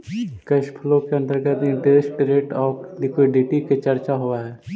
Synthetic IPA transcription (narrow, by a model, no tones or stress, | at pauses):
kəʃpʰlõkeə̃nt̪əɾɡət̪nĩɖeːsʈɾeːʈɔːplikiɖiʈiket͡ʃəɾt͡ʃaɦoaɦɛː